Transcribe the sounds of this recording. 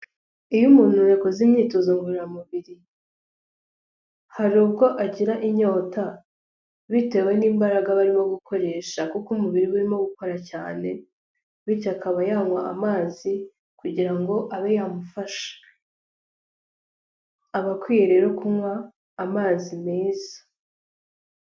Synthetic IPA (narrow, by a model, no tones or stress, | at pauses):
ijumuːn̥ujekozimɲiːtozoŋɡuɾiɾamuβiɾi | haɾubɡo̞ʔaɟiɾaʔiɲo̞ːta | βite̞ːwe̞niːmbaɾaɡaβaɾimo̞ɡukʰo̞ɾe̞ːʃakukumuβiɾiβuɾimo̞ɡuko̞ɾacaːne̞ | βicakaβajaŋwa̰a̰maːzi | kuɟiɾaŋɡo̞ʔaβejamufaʃḁ | aβakwiːjeɾe̞ɾokumwaː | maːzimeːzḁ